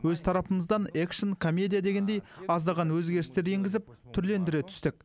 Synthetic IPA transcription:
wɵzt̪ʰɑɾɑpəməzd̪ɑnekʃonkʰomʲːe̞d̪ʲijad̪e̞ɡʲe̞nd̪e̞jɑzd̪ɑʁɑnwɵzɡʲe̞ɾɪst̪e̞ɾje̞ŋɡʲɪzɪpt̪ʰʏɾle̞nd̪ɪɾet̪ʰʏ̥st̪ɪk̚

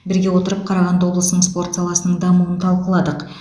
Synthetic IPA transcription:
bɪɾɡʲewo̞t̪əɾəp̚qʰɑɾɑʁɑnd̪əwo̞blˠəsnəɴspo̞rt̪sɑlˠɑsənəɴd̪ɑmuwənt̪ʰɑlˠqəlˠɑd̪əq

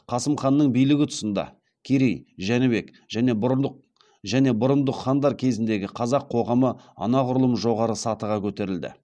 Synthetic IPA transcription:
qʰɑsəmχɑnːəɴbijlɪɡʲɪt̪ʰʊ̥sənd̪ɑ̰ | kʲʰeɾejʒænɪbe̞k | ʒæne̞b | ʒæne̞bʊɾənd̪əχɑnd̪ɑɾkʲʰe̞zɪnd̪e̞ɡʲɪqʰɑzɑqʰo̞ʁɑməɑ̰nɑʁʊɾlˠəməʒo̞ʁɑɾəsɑt̪əʁɑkʲʰɵt̪e̞ɾɪld̪ɪ̰

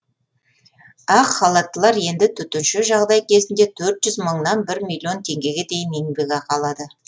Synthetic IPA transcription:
ɑqχɑlˠɑt̪ːəlˠɑɾje̞nd̪ɪt̪ʰʏt̪ɪnʃɪʒɑʁd̪ɑjkʲʰe̞zɪnd̪e̞t̪ʰɵɾt̪ʒ̥ʏzməɴnɑnbɪɾmilʲjio̞nt̪ʰe̞ŋɡʲe̞ɡʲe̞d̪e̞jɪneŋbe̞ɡʲeqʰɑlˠɑd̪ə

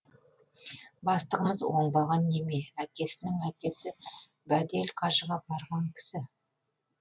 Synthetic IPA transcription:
bɑst̪əʁəməzwo̞ɴbɑʁɑnːe̞me̞ækʲe̞sɪnɪŋækʲe̞sɪ | bæd̪e̞lqʰɑʒəʁɑbɑɾʁɑŋkʲʰɪ̥sɪ

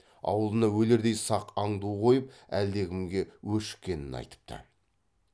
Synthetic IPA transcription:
ɑ̰wəlˠənɑwɵle̞ɾd̪e̞jsɑqɑɴd̪uqʰo̞jəpæld̪e̞ɡʲɪmɡʲe̞wɵʃɪ̥kʲːe̞nɪnɑ̰jt̪ə̥p̚t̪ʰə̰

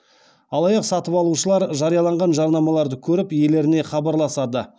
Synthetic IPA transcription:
ɑlˠɑjɑqsɑt̪əpɑlˠuʃəlˠɑɾʒɑɾijɑlˠɑɴʁɑnʒɑɾnɑmɑlˠɑɾd̪əkʲʰɵɾɪpjele̞ɾɪne̞χɑbɑɾlˠɑsɑd̪ə

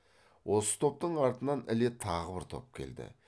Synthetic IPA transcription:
wʔo̞sə̥t̪ʰo̞p̚t̪əɴɑɾt̪ənɑnɪlet̪ʰɑʁəbɪɾt̪ʰo̞̰p̚kʲʰe̞̰ld̪ɪ̰

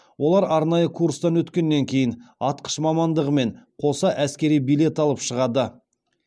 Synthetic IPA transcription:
wo̞lˠɑɾɑɾnɑjəkʰuɾst̪ɑnwɵt̪kʲe̞nːe̞ŋkʲʰe̞jɪnɑt̪̚qʰə̥ʃmɑmɑnd̪əʁəme̞ɴqʰo̞sɑʔæskʲe̞ɾijbijle̞t̪ɑlˠəpʃəʁɑd̪ə

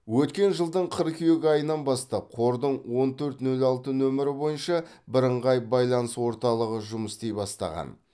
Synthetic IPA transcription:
wɵt̪kʲe̞nʒəlˠd̪əɴqʰəɾkʰʲʏjeɡʲɑjənɑnbɑst̪ɑp̚qʰo̞ɾd̪əɴwo̞nt̪ʰɵɾt̪nɵlɑlˠt̪ənɵmɪɾɪbo̞jənʃɑ | bɪɾəɴʁɑjbɑjlˠɑnəswo̞ɾt̪ɑlˠəʁəʒʊməst̪ejbɑst̪ɑ̰ʁɑ̰n

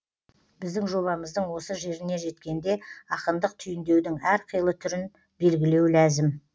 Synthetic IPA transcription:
b̥ɪzd̪ɪŋʒo̞βɑməzd̪əɴwo̞səʒe̞ɾɪne̞ʒe̞t̪kʲe̞nd̪e̞ɑqənd̪əq̚t̪ʰʏjɪnd̪e̞wd̪ɪŋæɾqʰəjəlˠət̪ʰʏɾɪn | be̞lɡʲɪle̞wlæzɪm

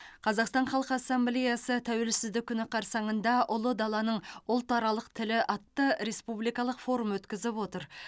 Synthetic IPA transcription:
qʰɑzɑqst̪ɑɴχɑlˠqəɑsːɑmblʲejɑsət̪ʰæwe̞lsɪzd̪ɪk̚ʲʰːʏnɪqʰɑɾsɑɴənd̪ɑʊlˠəd̪ɑlˠɑnəɴʊlˠt̪ɑɾɑlˠəqt̪ʰɪlɪʔɑt̪ːəɾe̞spublˠijkɑlˠəqfo̞ɾumwɵt̪kʲɪzɪpwo̞t̪əɾ

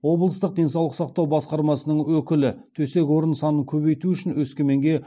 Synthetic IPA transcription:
wo̞bəlˠəst̪əq̚d̪e̞jns̬ɑwlˠəqsɑq̚t̪ɑwbɑsqɑɾmɑsənəɴwɵkʲɪlɪt̪ʰɵse̞kʲwo̞ɾənsɑnəŋkʲʰɵβe̞jt̪uʏʃɪnwɵskʲe̞me̞ŋɡʲe̞

